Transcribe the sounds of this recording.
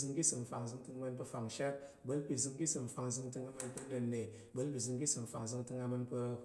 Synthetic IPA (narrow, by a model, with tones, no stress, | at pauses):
zɨ˧ŋki˦sɨ˨m̩˨fa˨ŋ˨zɨ˧ŋtɨ˧ŋ˧mɐ˧np̬ɐ˧fa˨ŋʃʲa˦t̚ | bɐ˦lpʲi˨zɨ˧ŋkʲi˦sɨ˨m̩˨fa˧ŋ˧zɨ˧ŋtɨ˧ŋa˧mɐ˧npɐ˦nɐ˨˧nːe˨ | bɐ˦lpʲi˨zɨ˧ŋki˦sɨ˨m̩˨fa˨ŋ˨zɨ˧ŋtɨ˧ŋa˧mɐ˧npə˧